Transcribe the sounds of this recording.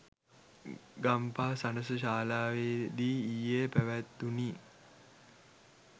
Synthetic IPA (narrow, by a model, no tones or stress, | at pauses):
ɡampaːsanəs̬əɕaːlaːʋeːd̪iːjeːpæʋæt̪ːuniː